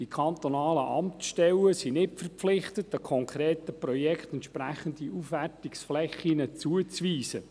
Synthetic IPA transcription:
d̥ikʰɑnt̪onɑːləʔɑmtʃtɛwəsinɪt̚fərpflɪχtət̚ːəkʰɔŋkʰɾeːtəprɔjɛkt̪ɛntʃpɾæχəndiʔufʋærtiksflɛχinət͡suət͡sʋiːsə

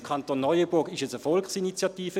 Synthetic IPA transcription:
kʰɑntonːɔʏəbʊɐɡɪʃɛt͡səfɔlkχsinit͡sjɑtiːfə

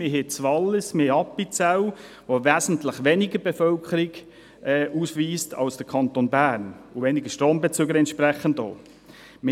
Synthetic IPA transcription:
mɪɦet͡sʋɑlːəsmɪheɑpːit͡saw | ʋoʋæːzn̩tləχʋenɪɡəɾbefœlkʰəɾɪɡ | ɛːʔuːsʋiːstʰɑ̰lsd̥əkʰɑntonbæːɾnʊʋenɪɡəʃtɾoːmbɛt͡søːɡəɾɛntʃpɾɛχəndo̰ː | mɪ

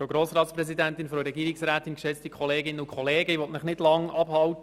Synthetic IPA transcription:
fɾoɡɾoːsɾɑːt̪spɾɛsidæntɪnfɾoɾɛɡiːɾɪksɾæːtɪnkʃɛt͡stikʰχɔleːɡɪnəʊkʰχɔleːɡəiʋɔtnɪχnɪdlɑŋɑb̥hɑwt

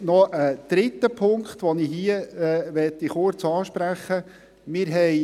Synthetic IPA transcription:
nɔəd̪̥ɾɪt̪ːəpʰʊŋkχt̪ʋɔniɦiəʋɛt̪ːiχʊɾt͡sɑːʃpɾæχːə | mɪːɾɦɛj

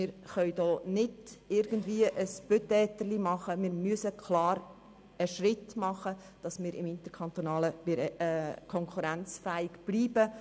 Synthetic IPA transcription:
mɪːɾχœʏdɔːnɪdɪɾɡ̥əndviːəʔəsb̥øtɛːtərlimɑχəmɪːɾmyəsəkʰlɑːɾ | əʃrɪtmɑχə | d̥ɑsmɪːɾɪmɪnt̪əkʰɑnt̪onɑːləvɪɾkʰɔŋkʰuɾænt͡sfæɪɡb̥liːbə

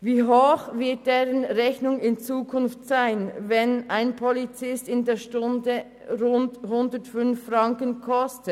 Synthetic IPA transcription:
viːɦoːxvɪɐt̚d̥eːʁənʁɛçnʊŋɪnt͡suːkʰʊnftsaɪnvɛnaɪnpʰɔlit͡sɪstɪndeːɐʃtʊndə | ʁʊndhʊndətfʏnffrɑŋkənkʰɔstə

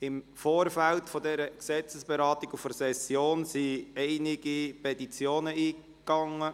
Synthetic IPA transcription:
ɪm | foːɾfæltfodɛɾəksɛt͡səsb̥eɾɑːtiɡufəɾsɛsjoːnsiɛɪnɪɡipʰɛtit͡sjoːnəiː | kːɑŋːə

